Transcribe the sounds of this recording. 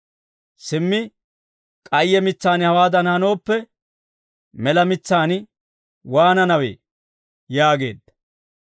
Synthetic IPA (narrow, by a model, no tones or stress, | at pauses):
sɪmːɪ | kʼɐjːɛmɪt͡sːaːnhɐwaːd̪ɐnhɐno̞ːpːɛ | mɛlɐmɪt͡sːaːnɪ | waːnɐnɐwḛː | jaːɡe̞̰ːd̪ːɐ̥